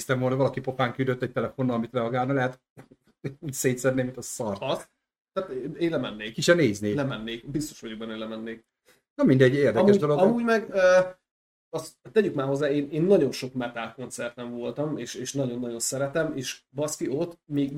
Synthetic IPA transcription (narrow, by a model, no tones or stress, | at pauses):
st̪ɛmvoːlnɒvɒlɒkipopaːŋkyd̪øt̪ːɛc̚t̪ɛlɛfo̞nːɒɒmit̪rɛɒɡaːlnɒlɛɦɛt̪ | uːseːt̪sɛd̪neːmit̪ɒsɒrts | t̪aːt̪eːlɛmɛnːeːkkit͡ʃɛneːzneːlɛmɛnːeːkbist̪o̞ʃɒɟuɡ̚bɛnːelɛmɛnːeːk | nɒmind̪ɛɟːeːrd̪ɛmɛuːd̪oloɡɒmuːɟmɛɡø | ɒst̪ːɛɟykmaːɦo̞zːaːeːneːnːɒɟo̞nʃo̞kmɛt̪aːlko̞nt̪sɛrt̪ɛɱvo̞lt̪ɒmeːʃeːʃnɒɟo̞nːɒɟo̞nsɛɾɛt̪ɛmeːʃbɒskiot̪miːɡ